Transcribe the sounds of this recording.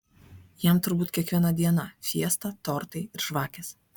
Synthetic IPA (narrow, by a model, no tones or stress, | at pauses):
jɛˑmt̪ʊɾbuːt̪ʲkʲiɛkʋʲiɛnɐd̪ʲiɛnɐfʲiɛst̪ɐt̪ɔːɾt̪ɐɪɪɾʒʋɑːkʲɛs